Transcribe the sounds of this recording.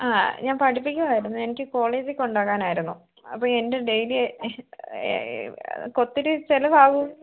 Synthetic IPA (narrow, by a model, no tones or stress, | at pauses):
aːɲaːnpɐʈipːikʲːɐmaːjiɾunːue̞nikʲːɨko̞ːɭeːd͡ʑikːo̞ɳɖaːkːaːnaːjiɾunːu | ɐ̰pːoːɭe̞nde̞ɖe̞jil | ko̞t̪ːiɾɨt͡ɕelɐbaːɣu